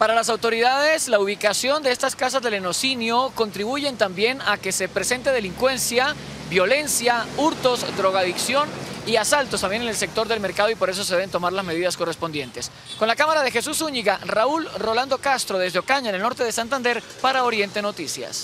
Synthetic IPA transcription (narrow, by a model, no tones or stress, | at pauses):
paɾalas̬awt̪o̞ɾiðað̞e̞slauβ̞ikasjo̞nd̪e̞est̪askas̬azðe̞leno̞sinjo̞ko̞nt̪ɾiβuʝe̞nt̪ambje̞nake̞se̞pɾe̞se̞nt̪e̞ð̞e̞liŋkwe̞nsja | bjo̞le̞nsjauɾt̪o̞zd̪ɾo̞ɣaðiksjo̞niasalt̪ost̪ambje̞nenelse̞k̚t̪o̞ɾðelme̞ɾkaðo̞ipo̞ɾe̞s̬os̬e̞ðee̞nt̪o̞maɾlazme̞ðiðasko̞respond̪jent̪e̞s | ko̞nlakamaɾað̞e̞xe̞susuɲiɣaraulro̞land̪o̞kast̪ɾo̞ðe̞zðeo̞kaɲaenelnoɾt̪e̞ðesant̪ãnd̪e̞ɾ | paɾao̞ɾje̞nt̪eno̞t̪isja̰s